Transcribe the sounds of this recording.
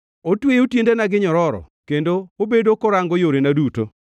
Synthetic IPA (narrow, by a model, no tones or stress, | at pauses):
otwejotjendenaɡɪɲɔɾɔɾɔ̰ | kendoobedokɔɾaŋɡɔjoɾenaduto̰